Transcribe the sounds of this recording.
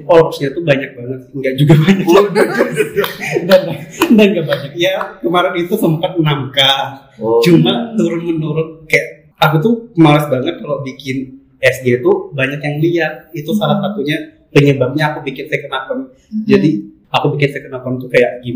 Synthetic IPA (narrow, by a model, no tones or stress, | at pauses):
kolsɲat̪ubaɲak̚baŋət̪̚ŋɡaʔd͡ʒuɡabaɲak | danadanɡaʔbaɲak̚jakəmaɾanit̪usəmpat̪̚namka | t͡ʃumat̪uɾʊnmənuɾʊnkajaʔ | akut̪umalasbaŋət̪̚kalobikɪn | ɛsɡet̪ubaɲakjaŋliat̪̚it̪usalahsat̪uɲa | pəɲəbap̚ɲaːkubikɪnsajkənakɔn | d͡ʒadi | akubikɪnsajkənakant̪ukajaʔɡi